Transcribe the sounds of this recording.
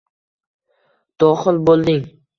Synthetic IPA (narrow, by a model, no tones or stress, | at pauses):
d̪̥ɒχɪlbolˠd̪ɪŋ